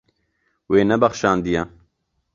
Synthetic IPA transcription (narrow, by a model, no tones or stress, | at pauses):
weːnɛbɐxʃɑːnd̪ijɛ